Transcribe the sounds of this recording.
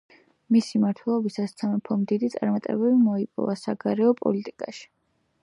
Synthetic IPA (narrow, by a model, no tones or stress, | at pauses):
misimaɾt̪ʰwɛlˠɔbisast̪sʰamɛpʰɔmd̪id̪it̪sʼaɾmat̪ʼɛbɛlimɔipʼɔ̰vasaɡaɾɛɔpʼɔ̰lit̪ʼikʼaʃi̥